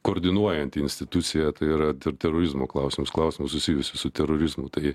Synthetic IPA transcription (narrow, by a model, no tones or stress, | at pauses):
koːɾʲd̪ʲɪnuɔjɛnʲt̪ʲɪɪnʲsʲt̪ʲɪt̪usʲɪjɛt̪ɐɪiɾɐt̪ʲɪt̪ʲɛɾoːɾʲɪzmoːklˠɐʊsʲɪmʊsklˠɐʊsʲɪmʊsʊsʲijʊsʲɪsʊt̪ʲɛɾoːɾʲɪzmʊt̪ɐɪ